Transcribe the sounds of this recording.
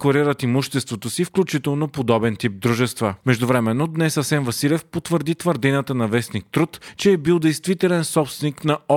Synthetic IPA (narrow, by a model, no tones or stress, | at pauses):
koɾiɾət̪imuʃt̪ɛst̪vot̪osifklʲut͡ʃit̪ɛlˠnopod̪ɔbɛnt̪ip̚d̪ɾuʒɛst̪vəmɛʒd̪ovɾɛmɛnːod̪nɛsɐsɛnvɐsilʲɛfpot̪vəɾd̪it̪vəɾd̪inət̪ənɐvɛsnik̚t̪ɾut̪t͡ʃɛːbilˠd̪ɛjst̪vit̪ɛlɛnsɔpst̪vɛniknɐɔ